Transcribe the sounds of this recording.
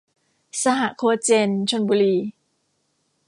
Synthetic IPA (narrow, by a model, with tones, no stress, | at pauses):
sa˧ɦa˨˩ʔkʰoː˧˦t͡ɕe˧nt͡ɕʰo˧nbuː˧ɾiː˧